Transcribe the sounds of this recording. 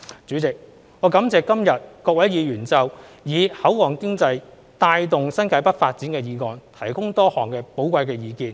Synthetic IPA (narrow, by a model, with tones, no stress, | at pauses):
t͡syː˨˥t͡sɪ˨k̚ | ŋɔː˨˧kɐ˨˥mt͡sɛː˨˧kɐ˥mjɐ˨t̚kɔː˧kwɐ˨˥jjiː˨˧ɥyː˨˩nt͡sɐ˨wjiː˨˧hɐ˨˥wwɔː˨˩ŋkɪ˥ŋt͡sɐ˧j | t̪aː˧jt̪ʊ˨ŋsɐ˥nkʰaː˨˧˥jpɐ˥t̚faː˧t̚t͡si˨˥nkɛː˧jiː˨˧ŋɔː˨˧nt̪ʰɐ˨˩jkʊ˥ŋt̪ɔː˥hɔ̰ː˨˩ŋkɛː˧po˨˥wkʷɐ˧jkɛː˧jiː˨˧kiː˧n